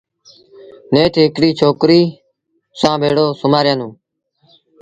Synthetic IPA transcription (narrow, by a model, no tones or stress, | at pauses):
neːʈʰɪkɽiːt͡ʃʰoːkɾiː | sãːbʱeːɽoːsʊmaːɾjãːnũː